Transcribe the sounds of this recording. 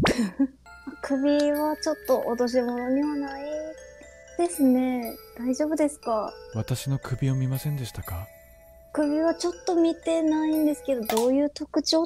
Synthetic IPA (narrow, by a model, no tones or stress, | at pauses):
akʰɯ̟bʲiβat͡ɕo̞t̪ːo̞ʔot̪o̞ɕ̬imo̞no̞ɲ̟iβanai | d̪̥e̞sɨne̞d̪̥aiʑo̞ːbɯ̟d̪e̞sɨ̥kaβat̪aɕino̞kɯ̟bʲio̞mʲimasẽ̞nd̪e̞ɕi̥t̪aka | kɯ̟bʲiβat͡ɕo̞t̪ːo̞mʲit̪e̞naĩnd̪e̞sɨ̥ke̞d̪o̞d̪o̞ːjɯ̟ːt̪o̞kɯ̟t͡ɕo̞ː